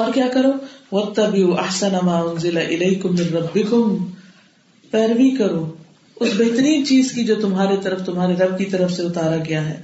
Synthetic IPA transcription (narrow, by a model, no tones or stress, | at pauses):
ɔːɾkjaːkɐɾoːwɐt̪ːɐbɪuʔɐħsɐnamaːʊnzɪlaʔɪleːkʊmːɪ̃nɾɐbːɪkʊm | pɛːɾʋikɐɾoː | ʊsbɛɦt̪əɾiːnt͡ʃiːzkid͡ʒoːt̪ʊmɦaːɾet̪ɐɾəft̪ʊmɦaːɾeɾɐb̚kit̪ɐɾəfseʊt̪aːɾaɡɐjaɦɛː